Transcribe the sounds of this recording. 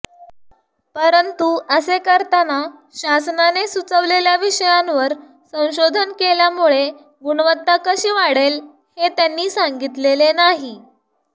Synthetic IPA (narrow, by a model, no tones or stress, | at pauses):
pəɾənt̪uəsekəɾt̪anaɕasnanesut͡səʋleljaʋiɕəjanʋəɾ | sə̃w̃ɕod̪ʱənkeljamuɭe | ɡuɳʋət̪ːakəɕiːʋaɽel | het̪janːiːsaŋɡit̪lelenaɦi